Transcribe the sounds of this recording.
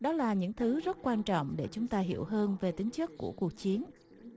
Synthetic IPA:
ɗɔ˨˦laː˨˩ɲɨ̰˧˥ŋt̪ʰɨ˨˦zə˦˥t̚kwaː˧nt͡ɕɔ̰˧˨wŋ͡mɗe˧˩t͡ɕʊ˨˦ŋ͡mt̪aː˧ɦḭ˧˩əwɦəː˧nve˨˩t̪ï˨˦ŋ̟t͡ɕɨ˦˥kːṵ˧˩əku˨˩ək̚t͡ɕi˨˦ən

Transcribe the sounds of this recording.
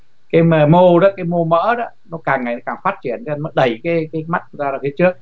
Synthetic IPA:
kaː˨˦jməː˧˩mo˧ɗɔ˨˧˦kaː˨˦jmo˧mə̰ː˧˥ɗɔ̰˧˦nɔ˨˦kaː˨˩ŋːa˨˩jnɔ˨˦kaː˨˩ŋfaː˦˥t̚t͡ɕi˧˩ənʰ˨˧˦nmɔ˨˦ɗə˨˩jkaː˨˦jkaː˨˦jma˦˥t̚kzaː˧zaː˨˩t̪i˨˦t͡ɕɨ˦˥ək̚

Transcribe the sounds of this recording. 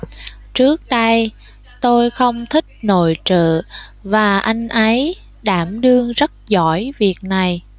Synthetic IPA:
t͡ɕɨ˦˥ək̚ɗə˧j | t̪o˧jxə˧wŋ͡mt̪ʰï˦˥k̚no̰˧˨jt͡ɕə̰ː˧˨vaː˨˩ʔa˧jŋ̟ʔə˨˦j | ɗaː˧˩mɗɨ˧əŋzə˦˥t̚zɔ˧˩jvi˨˩ək̚na˨˩j

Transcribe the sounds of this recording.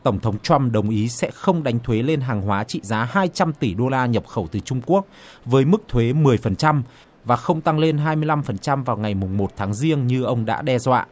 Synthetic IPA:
t̪ə˧˩wŋ͡mt̪ʰə˨˦wŋ͡mt͡ɕwa˧mɗə˨˩wŋ͡mʔi˨˦sɛ̰˧˥xə˧wŋ͡mɗa˨˦jŋ̟t̪ʰwe˨˦le˧nɦaː˨˩ŋɦwaː˨˦t͡ɕḭ˧˨zaː˨˦ɦaː˧jt͡ɕa˧mt̪i˧˩ɗo˧laː˧ɲə˨˩p̚xə˧˩wt̪ɨ˨˩t͡ɕʊ˧ŋ͡mku˦˥ək̚ | vəː˨˦jmɨ˦˥k̚t̪ʰwe˨˦mɨ˨˩əjfə˨˩nt͡ɕa˧m | vaː˨˩xə˧wŋ͡mt̪a˧ŋle˧nɦaː˧jmɨ˧əjla˧mfə˨˩nt͡ɕa˧mvaː˨˩wŋa˨˩jmʊ˨˩ŋ͡mmo˨˩t̚t̪ʰaː˨˦ŋzi˧əŋɲɨ˧ʔə˧wŋ͡mɗa̰ː˧˥ɗɛ˧zwa̰ː˧˨

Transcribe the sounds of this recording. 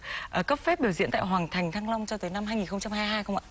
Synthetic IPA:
ʔəː˧˩kə˦˥p̚fɛ˦˥p̚ɓi˧˩zḭ˧˥nt̪a̰ː˧˨jɦwaː˨˩ŋt̪ʰa˨˩jŋ̟t̪ʰaː˧ŋla˧wŋ͡mt͡ɕɔ˧t̪əː˨˦jna˧mhaː˧jŋi˨˩nxə˧ŋ͡mt͡ɕa˧mhaː˧jɦaː˧jxə˧wŋ͡ma̰ː˧˨

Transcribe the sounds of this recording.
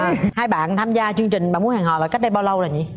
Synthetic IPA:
haː˧jɓa̰ː˧˨nt̪ʰaː˧mzaː˧t͡ɕɨ˧əŋt͡ɕï˨˩ŋ̟ɓaː˧˩mu˨˦əhaː˨˩ŋɦɔ̰ː˧˨laː˧˩kk̚ɗə˧jɓaː˧wlə˧wlaː˨˩ɲḭ˨˦

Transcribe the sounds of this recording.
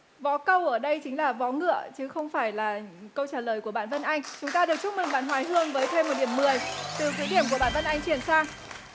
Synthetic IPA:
vɔ˨˦kə˧wʔəː˧˩ɗə˧jt͡ɕï̟˨˦laː˨˩vɔ˨˦ŋɨ̰˧˨ət͡ɕɨ˨˦xə˧wŋ͡mfaː˧˩jlaː˨˩kə˧wt͡ɕaː˧˩ləː˨˩jku˧˩əɓa̰ː˧˨nvə˧nʔa˧jŋ̟t͡ɕʊ˨˦ŋ͡mt̪aː˧ɗɨ˨˩ək̚t͡ɕʊ˦˥k͡p̚mi˨˩ɓ̰ːnɦwaː˨˦jɦɨ˧əŋvəː˨˦jt̪ʰe˧mː˨˩t̚ɗi˧˩əmːɨ˨˩əjt̪ɨ˨˩kwi˨˦jɗi˧˩əmku˧˩əɓa̰ː˧˨nvə˧nʔa˧jŋ̟t͡ɕi˧˩ənsaː˧ŋ

